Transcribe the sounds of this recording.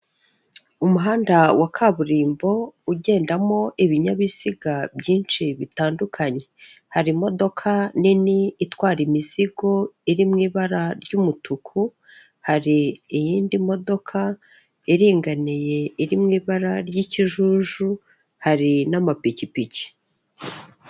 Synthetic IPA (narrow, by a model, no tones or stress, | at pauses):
umuɦaːndawakʰaβuɾiːmbo̞uɟe̞ːndamo̞ʔiβiɲaβiz̥iɡabɟiːnʃiβitaːndukʰaɲe̞ | haɾimo̞do̞kʰaniniːtwaːɾimiz̥iɡo̞iɾimŋiːβaɾaɾɟumutukʰu | haɾiːjiːndimo̞do̞kʰa | eɾiːŋɡanije̞iɾimŋiːβaɾaɾɟiciʒuːʒu | haɾinamapicipici̥